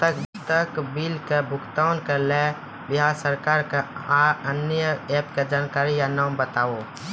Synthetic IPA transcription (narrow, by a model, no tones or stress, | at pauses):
t̪əkt̪əkbɪlkebʱʊkt̪aʊnkaleː | bɪɦaːsəɾkaːɾkaaənjəɛːpked͡ʒaːnkaːɾijanaːmbət̪aːo